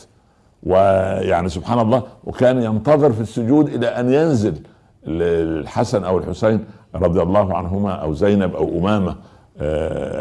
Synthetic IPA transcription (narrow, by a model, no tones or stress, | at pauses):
wɪjaʕnisʊbħaːnɑlˤːɑːwʔɪ̰kæːnjɑnt̪ɑðˤɨɾfisːʊd͡ʒuːd̪ʔɪlæːʔænjænzɪl | lħasanʔæwɪlħʊsajnɾˤɑd̪ˤjɑlˤːɑːɦʕa̰nɦʊmæːʔæwzajnabʔæwʔʊmæːmæ